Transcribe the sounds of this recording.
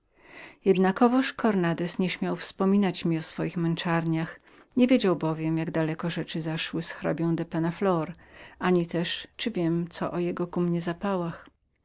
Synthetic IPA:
jɛd̪nakɔvɔʂkʰɔɾnad̪ɛsɲɛɕmʲjawfspɔmʲinat͡ɕmʲiɔsfɔjixmɛnt͡ʂaɾɲax | ɲevʲjed͡ʑawbɔvʲjɛmjaɡd̪alɛkɔʐɛt͡ʂɘzaʂwɘsxɾa̰bʲjɔ̃w̃d̪ɛpɛnaflɔɾaɲit̪ɛʂt͡ʂɘvʲjɛmt̪sɔ̰ʔɔjɛɡɔkumɲɛzapawax

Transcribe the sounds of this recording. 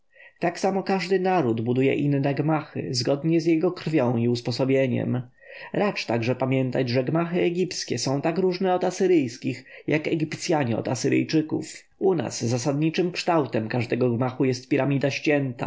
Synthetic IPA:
t̪aksamɔkaʐd̪ɘnaɾud̪bud̪ujɛ̰ʔinːɛɡmaxɘ̰zɡɔd̪ɲɛzjɛɡɔkɾ̥fʲjɔ̃w̃iuspɔsɔbʲjeɲɛ̰m | ɾat͡ʂt̪aɡʐɛpamʲjɛnt̪ad͡ʑʐɛɡmaxɘɛɡʲipt̪skʲɛsɔ̃w̃t̪akɾuʐnɛɔd̪asɘɾɘjskʲixjakɛɡʲipt̪sʲjaɲɛɔ̰d̪a̰sɘɾɘ̰jt͡ʂɘkṵf | una̰sːasad̪ɲit͡ʂɘmkʂt̪awt̪ɛmkaʐd̪ɛɡɔɡmaxujɛst̪̚pʲiɾamʲid̪aɕt͡ɕʲɛnt̪a̰

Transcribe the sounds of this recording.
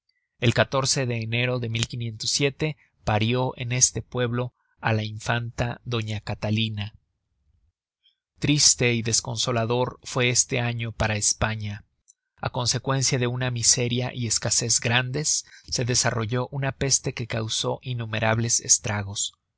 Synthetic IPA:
e̞lkat̪o̞ɾse̞ðe̞ːne̞ɾo̞ðe̞milkinjẽ̞nt̪o̞sːje̞t̪e̞ | paɾjo̞ʔe̞̰ne̞st̪e̞pwe̞βlo̞ | alaiɱfant̪aðo̞ɲakat̪alina | t̪ɾist̪e̞iðe̞sko̞nso̞laðo̞ɾfwe̞est̪e̞aɲo̞paɾaespaɲa | a̰ko̞nse̞kwe̞nsjaðe̞unamise̞ɾja̰ʔie̞skase̞zɡɾand̪e̞sːe̞ðe̞saro̞ʝo̞ʔunape̞st̪e̞ke̞kawso̞ʔinːume̞ɾaβle̞se̞̰st̪ɾaɣ̞o̞s

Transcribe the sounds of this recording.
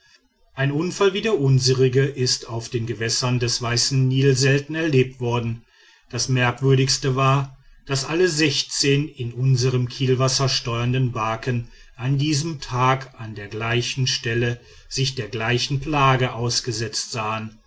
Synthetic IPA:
ʔaɪnʔʊnfalviːdeːɐʔʊnzəʁɪɡəʔɪstaʊfd̥eːnɡəvɛsɐndɛsv̥aɪsn̩niːl̩zɛltn̩ɛɐleːp̚tv̥ɔɐdn̩ | d̥asmɛɐkv̥ʏɐɾɪçstəvaːɐd̥asʔaləzɛçt͡seːnɪnʔʊnzəʁəmkʰiːlvasɐʃtɔʏɐndənbaːkən | ʔandiːzəmtʰaːkandeːɐɡlaɪçn̩ʃtɛlə | z̥ɪçd̥eːɐɡlaɪçn̩pl̥aːɡəʔaʊsɡ̥əzɛt͡stz̥aːən

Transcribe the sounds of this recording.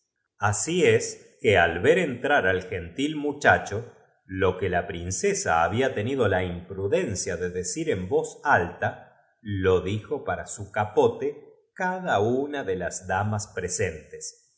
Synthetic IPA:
asies | kealβeɾe̞nt̪ɾaɾalxe̞nt̪ilmut͡ʃat͡ʃo̞ | lo̞kelapɾinsesa̰a̰ːβiat̪e̞nið̞o̞laimpɾuðensjaðeðesiɾe̞mbo̞salt̪a | lo̞ðixo̞paɾasukapo̞t̪e | kaðaunaðelazd̪amaspɾese̞nt̪es

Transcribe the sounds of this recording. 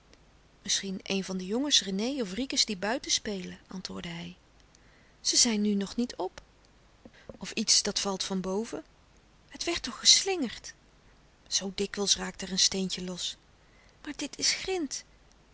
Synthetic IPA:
mɪsχinḛjnvɑndəjɔŋəsrənejɔfrikəzdibœɥtəspejləʔɑ̰ntʋʊːɹdəɦɛj | z̥əzɛjnːynɔχnitʰɔp | ɔfitsd̥ɑtfɑlˠtfɑnbowvə | ɦətʋɛɹtɔχəslɪŋəɹt | z̥owdɪkʋəlˠsraːk̚tɛrənstejncəlɔs | maːɹdɪtʰɪsχrɪnt

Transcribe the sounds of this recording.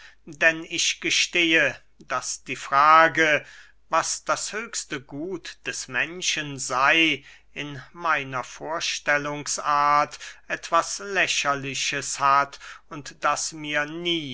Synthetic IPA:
dɛnɪçɡ̥əʃteːə | d̥asd̥iːfʁ̥aːɡə | vasd̥ashøːçstəɡuːtd̥ɛsmɛnʃənzaɪ | ʔɪnmaɪnɐfoːɐʃtɛlʊŋsʔaːɐtʔɛtv̥aslɛçɐlɪçəshatʊntd̥asmiːɐniː

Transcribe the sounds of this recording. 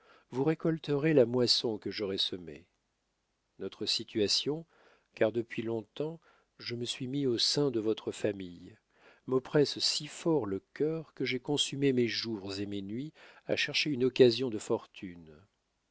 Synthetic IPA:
vuʁekɔlt̪əʁelamwasɔ̃kəʒɔʁɛsəmḛ | nɔt̪χəsit̪ʰɥasjɔ̃ | kaʁd̪əpɥilɔ̃t̪ɑ̃ | ʒəməsɥimiosɛ̃d̪əvɔt̪χəfamij | mɔpχɛssifɔʁləkʲœʁkəʒekɔ̃symemeʒuʁzemenɥia̰ʃɛʁʃeynɔkazjɔ̃d̪əfɔʁt̪ʰyn

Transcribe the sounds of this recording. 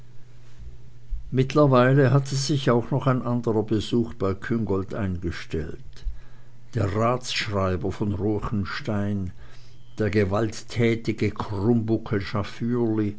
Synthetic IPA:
mɪtʰlɐvaɪləɦatəzɪçaʊxnɔχaɪnʔandəʁɐbəzuːxb̥aɪkʰʏŋɡɔltʔa̰ɪnɡəʃtɛ̰lt | d̥eːɐʁaːt͡sʃʁ̥aɪbɐfɔnʁoːçn̩ʃtaɪn | d̥eːɐɡəvaltʰːɛːtɪɡəkʰʁʊmbʊkʰəʃafyːli

